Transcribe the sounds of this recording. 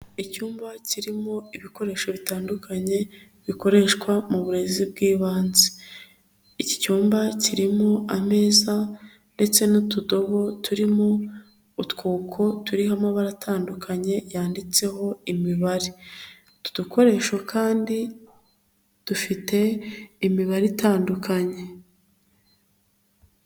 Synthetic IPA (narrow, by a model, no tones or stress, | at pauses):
icuːmbaciɾimo̞iβiko̞ɾe̞ːʃoβitaːndukʰaɲe̞ | βiko̞ɾe̞ʃkwamuβuɾe̞zib̚ɡiːβaːnze̥ | ici̥cuːmbaciɾimo̞ame̞ːza | nde̞t͡se̞nutudo̞βo̞tʰuɾimo̞ | utkuːkʰo̞tuɾiɦamaβaɾatʰaːndukʰaɲe̞jaːndit͡se̞ho̞imiβaɾi | tu̥d̥ukʰo̞ɾe̞ʃwakʰaːndi | d̥ufite̞ːmiβaɾitʰaːndukaɲe̞